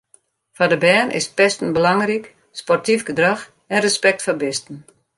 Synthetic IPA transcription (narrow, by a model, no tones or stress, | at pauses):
fadəbɛːnʔɪ̰spɛstən̩bəlaŋrik | spɔrtifɡədrax | ɛnrəspɛk̚tfabɪstn̩